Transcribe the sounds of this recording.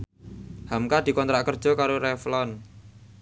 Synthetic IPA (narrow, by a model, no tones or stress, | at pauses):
hamkad̪̥i̤kɔnt̪ɾakərd̥d͡ʒʒ̥ɔ̤kaɾoɾɛflɔn